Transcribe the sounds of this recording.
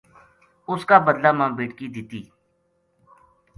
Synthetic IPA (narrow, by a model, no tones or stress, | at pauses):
ʊskaːbəd̪laːmãːbeːʈkiːd̪ɪt̪iː